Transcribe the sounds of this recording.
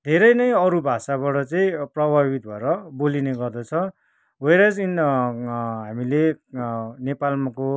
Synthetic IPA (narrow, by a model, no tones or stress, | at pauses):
d̪ʱeɾʌjnʌjʌɾubʱasaβaʈʌt͡saĩprʌbʱabit̪bʱʌeɾʌbolineɡʌrd̪ʌt͡sʰʌ | wʌjɾad͡zin | ɦamile | nepalmako